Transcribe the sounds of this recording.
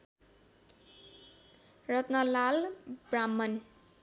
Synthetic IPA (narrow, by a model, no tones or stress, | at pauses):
rʌt̪nʌlalbramːʌn